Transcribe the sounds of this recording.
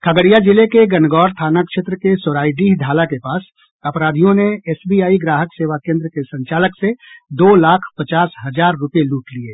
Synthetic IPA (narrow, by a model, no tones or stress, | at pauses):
kʰəɡəɽijad͡ʒɪlekeɡɐnɡɔːɾt̪ʰaːnakʃet̪ɾəkesoɾaːid̪iːɦd̪ʱaːlakepaːs | ɐpɾaːd̪ʱijõneɛːsbiːaːiɡɾaːɦəkseːʋakẽːnd̪ɾəkesə̃ɲt͡ʃaːləksed̪oːlaːkʰpət͡ʃaːsɦɐd͡ʒaːɾːʊpjeluːʈliḛː